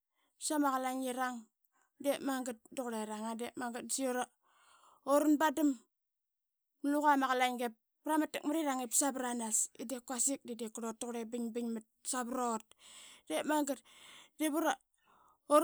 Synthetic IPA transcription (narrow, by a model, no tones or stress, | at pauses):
psamaɣalaŋiɾaŋ | demaŋɡat̚doɣɾeɾaŋadepmaŋɡat̚sioɾa | oɾunbadim | luɣamaɣalaŋɡepːɾamatek̚maɾiɾaŋepsabɾanasidekuasik̚didekɾot̚doɣɾebiɲbiɲmat̚sabɾot̚depmaŋɡatd̥eβuɾa | o